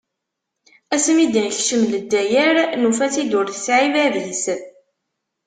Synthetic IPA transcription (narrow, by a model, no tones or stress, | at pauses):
æsmid̪ænçʃəmləd̪ːæjəɾnufæsid̪ʊɾθəsʕivæðis